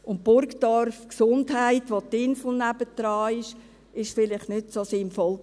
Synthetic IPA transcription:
ʊn̚pʊɾkd̥ɔrfksʊndhaɪtʋotɪnsl̩næb̥əd̥ɾɑːɪʃ | ɪʃfɪlɪχtnʏtsoːsɪnfɔl

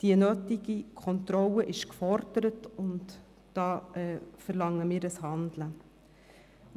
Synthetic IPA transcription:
d̥iənøːtiɡikʰɔntɾɔlːəʔɪʃkfɔɾd̥əɾətʊntː | d̥ɑːɛːfəɾlɑŋːəmiːɾəshɑnd̪lə

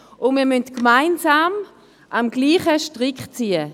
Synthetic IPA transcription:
ʊnmiːɐmøntkmaɪnzaːm | ʔamɡliːχəʃtʁɪkχt͡siːə

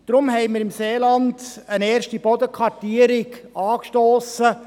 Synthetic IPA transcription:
d̥ɾʊmɦɛɪmɪɾɪmseːlɑndəneːɾʃtib̥ɔd̪əkʰʁɑɾtiːəɾɪɡɑːkʃtoːsə

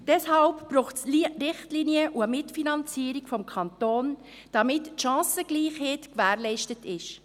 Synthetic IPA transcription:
d̥ɛshɑlpb̥ɾuːχtsrɪχtliniəʔuəmɪtfinɑnt͡siːɾikfɔmkʰɑntoːn | d̥ɑmɪtːʃɑ̃ːsəɡ̥liːχheːtkʋæːɾlɛɪʃtətɪʃ

